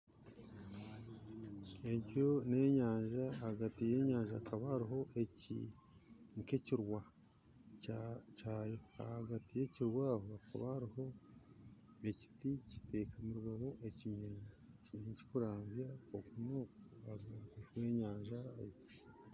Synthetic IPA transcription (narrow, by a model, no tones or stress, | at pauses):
eɟo̞ne̞ɲaːɲʒaːhaɡatije̞ːɲaːɲʒaːkaβahaɾiɦo̞ʔecḭ | ŋkeciɾwa | caːjo̞a̰haɡatije̞ciɾwaːhoakʰa̰βahaɾiho̞ | eci̥tici̥te̞ːkʰamuɾuɡaβo̞ʔeciɲeɲ | iɲeɲci̥kuɾaːmzjaokuno̞koaɡaɡuʃwe̞ɲaːɲʒaːjo